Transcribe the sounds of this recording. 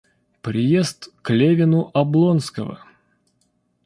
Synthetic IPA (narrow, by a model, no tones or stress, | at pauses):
pɾʲɪjest̪klʲevʲɪnʊʔɐblˠonskəvə̰